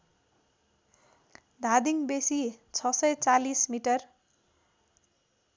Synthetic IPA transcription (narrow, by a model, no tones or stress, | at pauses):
d̪ʱad̪iŋbesit͡sʰʌsʌjt͡salismiʈʌr